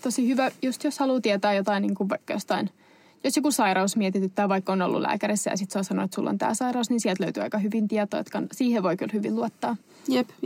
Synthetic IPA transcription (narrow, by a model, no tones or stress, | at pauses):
t̪osihyʋæjust̪joshɑluːt̪iɛt̪æːjot̪ɑinniːŋkuɑikːjo̰st̪ɑin | josjokusɑiɾɑusmiɛt̪it̪yt̪ːæːʋɑikːono̰lːṵlʔæ̰ːkæɾisːæ̰jɑ̰sit̪sɑˑsɑno̰et̪sulːo̰nt̪æ̰ːsɑiɾɑusninsiɛlt̪løyt̪yːɑ̰ikɑhyʋint̪iɛt̪o̰ːo̰t̪kɑnsiːheʋʋoikylhyʋḭlluot̪ːɑː | jep